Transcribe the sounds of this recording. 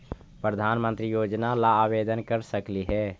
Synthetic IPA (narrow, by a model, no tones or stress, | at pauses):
pɾəd̪ʱaːnmə̃nt̪ɾijoːd͡ʒnalaːbed̪ənkəɾsəkliɦɛː